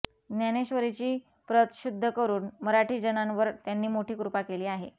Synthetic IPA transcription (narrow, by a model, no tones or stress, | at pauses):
njaneɕʋəɾet͡ɕiː | pɾət̪ɕud̪ʱːəkəɾuːnməɾaʈiːd͡ʑənãnʋəɾt̪janːiːmoʈʰiːkɾupakeliːaɦḛ